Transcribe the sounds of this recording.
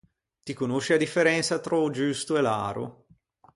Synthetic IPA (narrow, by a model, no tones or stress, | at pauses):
t̪ikonoʃːiad̪ifːeɾɛnt̪sat̪ɾɔd͡ʒust̪oela̰ːɾo̰